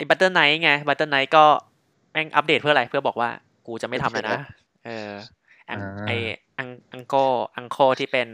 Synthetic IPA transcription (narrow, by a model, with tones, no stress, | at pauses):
ʔa˧˩jba˦˥t̪ːɤː˥˩nːa˦˥jŋa˧ba˧˥t̪ːɤː˥˩nːa˦˥jkɔː˥˩ | bɛː˥˩ŋʔa̰˧˦˥p̚deː˨˩t̚pʰɯ˥˩ɐ˨ɾa˧jpʰɯ˥˩bɔː˨˩k̚waː˥˩ | kuː˧t͡ɕa˨˩ʔma˥˩t̪ʰa˧mlaː˧˦˥jna˧˦˥ | ʔɤː˧ | ʔa˧ŋʔa˧˩j | ʔa˧ŋʔa˧ŋkoː˥˩ʔa˧ŋkʰoː˥˩t̪ʰiː˥˩pe˧n